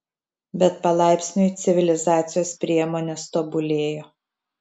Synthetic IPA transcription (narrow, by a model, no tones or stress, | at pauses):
bʲɛt̪̚pɐlˠɑˑɪpʲsʲnʲʊɪt̪sʲɪʋʲɪlʲɪzɑːt̪sʲɪjoːspʲɾʲiɛmoːnʲɛst̪oːbʊlʲeːjoː